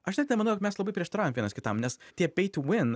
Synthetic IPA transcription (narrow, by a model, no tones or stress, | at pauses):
ɐʃnʲɛt̪nʲɛmɐnɐʊjokmɛslˠɐbɐɪpʲɾʲiɛʃt̪ɐɾaːjoːmʋʲiɛnɐskʲɪt̪ɐmnʲɛstʲiɛpʲɛɪt̪ʲwɪn